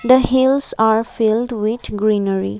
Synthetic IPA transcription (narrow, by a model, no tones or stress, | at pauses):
d̪əɦɪlsaɾfɪlɖwɪd̪ɡɾĩːnəɾḭ